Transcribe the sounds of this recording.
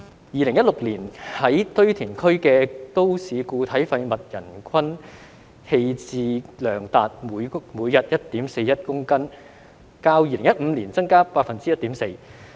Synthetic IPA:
jiː˨˧lɪ˨˩ŋjɐ˥t̚lʊ˨k̚liː˨˩nhɐ˨˥jt̪ɵ˥ɥt̪ʰiː˨˩nkʰɵ˥ɥkɛː˧t̪o˥wsiː˨˧kuː˧t̪ʰɐ˨˥jfɐ˧jmɐ˨t̚jɐ˨˩nkʰɐ˥n | he˧jt͡siː˧lœː˨˩ŋt̪aː˨t̚muː˨˧jmuː˨˧jːɐ˨t̚jɐ˥t̚t̪iː˨˥mse˧jɐ˥t̚kʊ˥ŋkɐ˥n | kaː˧wjiː˧lɪ˨˩ŋjɐ˥t̚m̩˨˧liː˨˩nt͡sɐ˥ŋkaː˥paː˧k̚fɐ˨nt͡siː˥jɐ˥t̚t̪iː˨˥mse˧j

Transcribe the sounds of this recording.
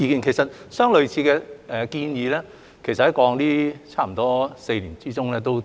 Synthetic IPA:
i˨˧kiː˨˩nkʰe˨˩jsɐ˨t̚sœː˥ŋlɵ˨˧ɥt͡sʰiː˧kɛː˧ʔɛː˨kiː˧njiː˨˧lɛː˥ | kʰe˨˩jsɐt̚hɐ˨˥jkɔː˨˧ŋliː˥t͡sʰaː˥m̩˨˩t̪ɔː˥se˧jliː˨˩nt͡siː˥t͡sʊ˥ŋlɛː˥˧t̪o˥w

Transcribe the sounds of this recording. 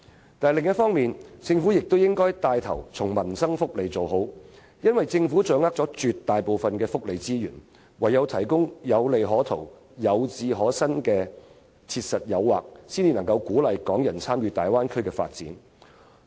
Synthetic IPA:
t̪aː˨˩lɪ˨ŋjɐ˥t̚fɔː˥ŋmiː˨nt͡sɪ˧ŋfuː˨˥jɪ˨k̚t̪o˥wjɪ˥ŋkɔː˥jt̪aː˧jt̪ʰɐ̰˨˩wt͡sʰʊ˨˩ŋmɐ˨˩nsɐ˥ŋfʊ˥k̚le˨jt͡so˨wɦo˨˥w | jɐ˥nwɐ˨jt͡sɪ˧ŋfu˨˥t͡ʃœː˨˥ŋa˥t͡sɔː˨˥t͡ʃyː˨t̪ːaː˨jpo˨˧wfɐ˨nkɛː˧fʊ˥k̚le˨jt͡siː˥jyː˨˩n | wɐ˨˩jːɐ˨˧wt̪ʰɐ˨˩jkʊ˥ŋjɐ˨˧wle˨jɦɔː˨˥t̪ʰo̰˨˩w | jɐ˨˧wt͡siː˧ɦɔː˨˥sɐ˥nkɛː˧ | t͡sʰiː˧t̚sɐ˨t̚jɐ˨˧wːa̰ː˨k̚siː˥njiː˨˧nɐ˨˩ŋkɐ˧wkuː˨˥lɐ˨jkɔː˨˥ŋjɐ˨˩nt͡sʰaː˥mjyː˧t̪aː˨˩jwaː˥nkʰɵ˥ɥkɛː˧fa̰ː˧t̚t͡siː˨˥n

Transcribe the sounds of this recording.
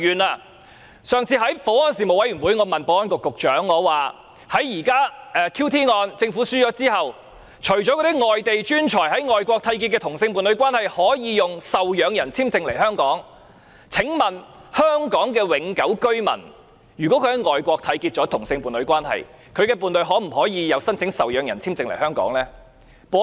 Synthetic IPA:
yː˨˩naː˧ | sœː˨˧ŋt͡sʰiː˧ɦɐ˨˥jpo˨˥wɔː˥ns̬iː˨mo˨˩wɐ˨˥jɥyː˨˩nwuː˨˥jŋɔː˨˧mɐ˨npo˨˥wɔː˥nkʊ˨˧kːʊ˨k̚t͡ʃœː˨˥ŋːɔː˨˧waː˨ | hɐ˨˥jːiː˨˩kaː˥ʔɛː˨˧kʰiː˥wt̪ʰiː˥ŋɔː˧nt͡sɪ˧ŋfuː˨˥syː˥t͡ʃɔː˨˥t͡siː˥hɐ˨w | t͡ʃʰɵ˨˩ɥt͡sɔ˨˥kɔ˧˥i˥ŋɔː˨jt̪e˨jt͡ʃyː˥nt͡ʃʰɔː˨˩jɦɐ˨˥jŋɔː˨jkʷɔː˧k̚t̪ʰɐ˧jk̬iː˧kɛː˧t̪ʰʊ˨˩ŋsɪ˧ŋpuː˨˧nlɵ˨˧ɥkwaː˥nhɐ˨jhɔː˨˥jiː˨˧jʊ˨ŋsɐ˨wjœː˨˧ŋjɐ˨˩nt͡sʰiː˥mt͡sɪ˧ŋlɐ˨˩jhœː˥ŋkɔː˨˥ŋ | t͡sʰɪ˨˥ŋmɐ˨nhœː˥ŋkɔː˨˥ŋk̬ɛː˧wɪ˨˥ŋkɐ˨˥wkɵ˥ɥmɐ̰˨˩n | jyː˨˩kwɔ˨˥kʰɵ˧hɐ˨˥jŋɔː˨jkʷɔː˧k̚t̪ʰɐ˧jkiː˧t̚t͡ʃɔː˨˥t̪ʰʊ˨˩ŋsɪ˧ŋpuː˨nlɵ˨˧ɥkʷwaː˥nhɐ̰˨j | kʰɵ˨˧ɥkɛː˧puː˨˧nlɵ˨˧ɥɦɔː˨˥m̩˨˩ɦɔː˨˥jiː˨˧jɐ˨˧wsɐ˥nt͡sʰɪ˨˥ŋsɐ˨wjœː˨˧ŋjɐ˨˩nt͡sʰiː˥mt͡sɪ˧ŋlɐ˨˩hœː˥ŋkɔ̰ː˨˥ŋlɛː˥ | pɔ˨˧˥

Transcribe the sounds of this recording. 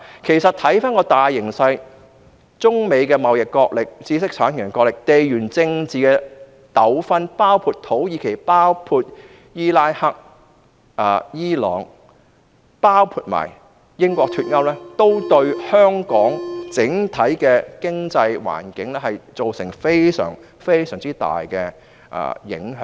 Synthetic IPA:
kʰe˨˩jsɐ˨t̚t̪ʰɐ˨˥jfaː˥nkɔː˧t̪aː˨jːɪ˨˩ŋsɐ˧j | t͡sʊ˥ŋme˨˧jkɛː˧mɐ˨wjɪ˨kːɔː˧k̚lɪ˨k̚t͡siː˨˥sɪ˥k̚t͡sʰaː˨˥nt̪ʰɪ˨˩ŋː˨˩ŋkɔː˧lɪ˨k̚t̪e˨jɥyː˨˩nt͡sɪ˧ŋt͡siː˨kɛː˧ | t̪ɐ˨˥wfɐ˥npaː˥wpʰuː˧t̚t̪ʰo˨˥wjiː˨˧kʰe˨˩jpaː˥wpʰuː˧t̚ | jiː˥laː˥jhɐ˥k̚ | ʔɐː˨˧jiː˥lɔ̰ː˨˥ŋ | paː˥wpʰuː˧t̚ma̰ː˨˩j | jɪ˥ŋkʷɔː˧k̚t̪ʰyː˧t̚ŋɐ˥wlɛː˥t̪o˥wt̪ɵ˧ɥhœː˥ŋkɔː˨˥ŋt͡sɪ˨˥ŋt̪ʰɐ˨˥jkɛː˧kɪ˥ŋt͡sɐ˧jwa̰ː˨˩nkɪ˨˥ŋlɛ˥ɦɐ˨jt͡so˨wsɪ˨˩ŋfe˥jsœ̰ː˨˩ŋ | fe˥jsœː˨˩ŋt͡siː˥t̪a̰ː˨jkɛ˧ | ʔɐ̰ː˨˧jɪ̰˨˥ŋɦœː˨˥

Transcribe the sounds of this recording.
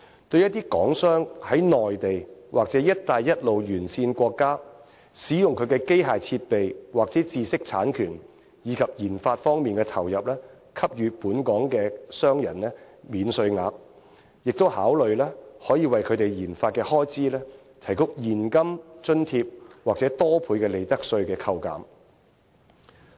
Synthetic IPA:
t̪ɵ˧ɥjɐ˥t̚t̪iː˥kɔː˨˥ŋsœː˥ŋhɐ˨˥jnɔː˨jt̪e˨jwʔaː˨k̚t͡sɛː˨˥jɐ˥t̚t̪aː˧jːɐ˥t̚lo˨wjyː˨˩nsiː˧nkʷɔː˧kːaː˥ | siː˨˥jʊ˨ŋkʰɵ˨˧ɥkɛː˧ke˥jɦaː˨jt͡sʰiː˧t̚pe˨jwaː˨k̚t͡sɛː˨˥t͡siː˧sɪ˥k̚t͡sʰaː˨˥nkʰyː˨˩n | jiː˨˧kʰɐ˨p̚jiː˨˩nfaː˧t̚fɔː˥ŋmiː˨˩nkɛː˧t̪ʰɐ˨˩wjɐ˨p̚lɛː˥ | kʰɐ˥p̚jyː˨˧puː˨˥nkɔː˨˥ŋkɛː˧sœː˥ŋjɐ˨˩nlɛː˥ | miː˨˧nsɵ˧ɥŋaː˨˧p̚ | jɪ˨k̚t̪o˥whaː˨˥wlɵ˨ɥlɛː˥hɔː˨˥jiː˨˧wɐ˨jkʰɵ˨˧t̪e˨jjiː˨˩nfaː˧t̚kɛː˧hɔː˥jt͡siː˥lɛː˥ | t̪ʰɐ˨˩jkʊ˥k̚jiː˨˩nkɐ˥mt͡ʃɵ˥nt̪ʰiː˧p̚waː˨k̚t͡sɛː˨˥t̪ɔː˥pʰuː˨˧jkɛː˧le˨jt̪ɐ˥k̚sɵ˧ɥkɛː˧kʰɐ˧wka̰ː˨m

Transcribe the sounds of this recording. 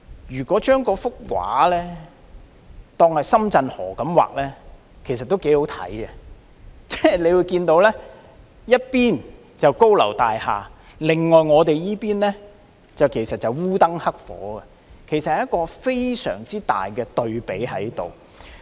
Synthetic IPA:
jyː˨˩kɔː˨˥t͡ʃœː˥ŋkɔː˧fʊ˥k̚wa̰ː˨˥lɛː˥ | t̪ɔː˧ŋhɐ˨jsɐ˥mt͡sɐ˧nhɔ̰ː˨˩kɐ˨˥mwa̰ː˨k̚lɛː˥ | kʰe˨˩js̬ɐ˨t̚t̪ːo˥wke˨˥jho˨˥wt̪ʰɐ̰˨˥jɡɐ˧ | t͡sɛ˥le˨˧jwuː˨˧jkiː˧nt̪o˨˧wlɛː˥ | jɐ˥t̚piː˥n | t͡sɐ˨wko˥wlɐ̰˨˩wt̪aː˨jha̰ː˨ | lɪ˨ŋŋɔː˨jŋɔː˨˧t̪e˨jjiː˥piː˥nlɛː˥ | t͡sɐ˨wkʰe˨˩jsɐ˨t̚t͡sɐ˨wwuː˥t̪ɐ˥ŋhɐ˥k̚fɔ̰ː˨˥ɐ˨ | kʰe˨˩jsɐ˨t̚hɐ˨jɐ˥tkɔː˧fe˥jsœ̰ː˨˩ŋt͡siː˥t̪a̰ː˨jkɛː˧t̪ɵ˨ɥpe˨˥jɦɐ˨˥jt̪o̰˨w

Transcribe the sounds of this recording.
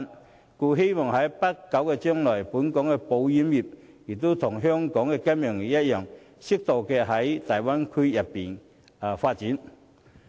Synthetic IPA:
n | kuː˧ɦe˥jmɔː˨ŋɦɐ˨˥jpɐ˥kːɐ˨˥wkɛː˧t͡ʃœː˥ŋlɔː˨˩jpuː˨˥nkɔː˨˥ŋkɛː˧po˨˧wjiː˨˥mjiː˨˩p̚ | ji˨˩k̚t̪o˥wt̪ʰʊ˨˩ŋɦœː˥ŋkɔː˨˥ŋkɛː˧kɐ˥mjœː˨˩ŋji˨jɐ˥t̚jœː˨˩ŋ | sɪ˥k̚t̪o˨wkɛː˧ɦɐ˨˥jt̪ɐ˨˩jwaː˥nkʰy˥jɐ˨pːiː˨˩nː˨ | faː˧t̚t͡siː˨˥n

